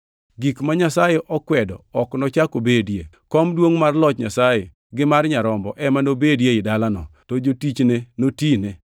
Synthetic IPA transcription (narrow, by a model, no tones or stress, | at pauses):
ɡikmaɲasajeʔɔkwɛdɔɔknɔt͡ʃakobedje | kɔmdwoŋmarlɔt͡ʃɲasaje | ɡɪmarɲaɾɔmbɔ̰ʔɛmanobedjeɪdalanɔ̰tod͡ʒotit͡ʃnenotine